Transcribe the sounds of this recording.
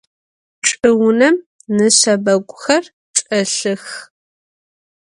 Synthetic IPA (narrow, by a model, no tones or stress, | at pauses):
ʈ͡ʂʼɨwʊnɐm | nɨɕɐbɐɡʷʼʊxɐr | ʈ͡ʂʼɐɬɨx